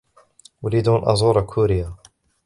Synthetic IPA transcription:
wlid̪unʔɑ̰zˤuːɾˤɑkʰuːɾɪja

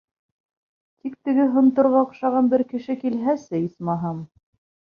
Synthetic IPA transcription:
t̪ʰik̚t̪ɘ̆ɡɘɦŏnt̪ŏɾʁɑŏqʃɑʁɑnbɘɾkɘ̆ʃɘkilɦæsɘismɑɦɑm

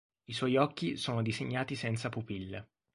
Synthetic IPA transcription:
iswɔjɔkːisoːnod̪izeɲːaːt̪isɛnt̪sapupilː

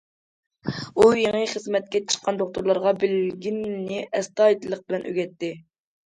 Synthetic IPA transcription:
ujeŋɨχəzmɛt̪̚kʲɛt͡ʃʰə̥qʰːɑnd̪oq̚t̪uɾlˠɑɾʁɑbɪlɡʲinːɪʔɛst̪ɑːit̪ʰlˠəq̚bɪlɛnʔø̰ɡʲɛt̪ːɪ

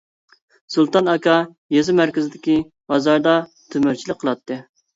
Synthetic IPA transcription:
sulˠt̪ɑnɑkɑ | jezɪmæɾkʲɪzɪd̪ɪkʲi | hɑzɑɾd̪ɑ | t̪ʰømyɾt͡ʃʰilɪk̚ʲqʰːəlˠɑt̪ʰːɨ

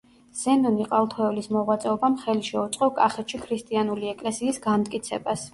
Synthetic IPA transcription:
z̥ɛnɔniqʼalˠt̪ʰɔɛvlismɔʁwat̪sʼɛɔbamχɛliʃɛut̪sʼqʼɔkʼaχɛt̪ʃʰikʰɾist̪ʼianuliɛkʼlɛsiːsɡamt̪ʼkʼit̪sʰɛ̰bas

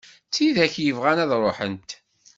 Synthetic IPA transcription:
t͡sːiðæçjəvʁænæðɾˤoħə̰nt̪

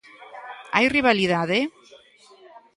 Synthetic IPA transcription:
a̰jriβaliðaðe

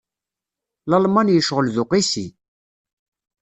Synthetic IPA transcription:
lɑlmɑnjəʃʁəlðʊqisḭ

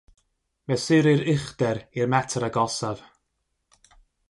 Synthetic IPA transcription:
mɛsɪɾɨɾɪχdɛɾirmɛtʰɾaɡɔsav̥

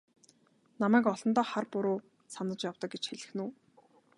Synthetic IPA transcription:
namæːkɔɮɞ̆nt̪ɔːχarpʊɾoː | sanə̆t͡ɕjawt̪ɞ̆k̚ɡet͡ɕxeɮɘ̆xnuː

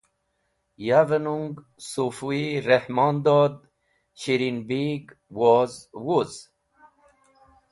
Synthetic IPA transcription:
javənuŋɡ | sufuiɾehmɑnd̪ɔːd̪ | ɕiɾinbiɡwɔzwuz̥

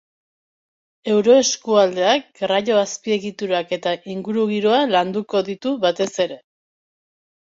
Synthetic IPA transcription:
e̞wɾo̞e̞skuald̪e̞ak̚ɡraʎo̞aspie̞ɣit̪uɾake̞t̪aʔiŋɡuɾuɣiɾoaland̪uko̞ðit̪uβat̪e̞se̞ɾe̞

